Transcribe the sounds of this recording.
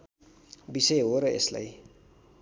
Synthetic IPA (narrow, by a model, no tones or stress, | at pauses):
biseɦoɾʌḛsla̰j